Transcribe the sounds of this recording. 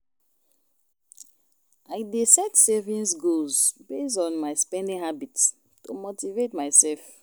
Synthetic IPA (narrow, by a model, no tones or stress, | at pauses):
aɪdesɛtsɛvĩnsɡozbes̬tɔ̃nmaɪspɛ̃ndĩŋhabits | tomotivetmaɪsɛlf